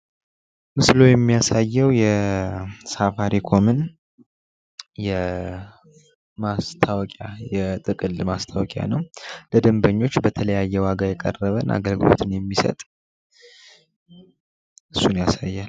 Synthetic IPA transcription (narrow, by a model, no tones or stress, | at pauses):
mɨslo̞jɛmːijasajːɛwjɛ | safaɾikʰo̞mɨn | jɛ | mast̪ʰawɔkʼjajɛt̪ʼɨkʼɨlmast̪ʰawɔkʼja̰nəwləd̪əmbəɲːo̞t͡ʃːbət̪ʰələjajːɛwaɡajɛkʼə̰rːəβənʔa̰ɡəlɡɨlo̞̰t̪ʰɨnjɛmːisə̰t̪ʼ | ʔɨsːunjasajːal